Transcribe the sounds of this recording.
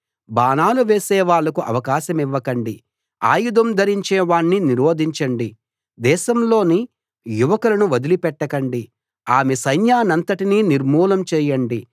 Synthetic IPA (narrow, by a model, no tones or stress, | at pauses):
baːnaːluʋeːsɛːʋaːɭːɐkuʔɐ̰ʋɐkaːʃɐmiʋːɐkɐɳɖi | a̰ːjud̪ɐmd̪ʱɐɾiɲt͡ʃeːʋaːɳːiniɾoːd̪ʱiɲt͡ʃɐɳɖi | d̪ɛːʃɐmlo̞ːni | juʋɐkulɐnuʋɐd̪ilipɛʈːɐkɐɳɖi | aːmesɐjnjaːnɐnt̪ɐʈiniːniɾmuːlɐmt͡ʃɛːjɐɳɖi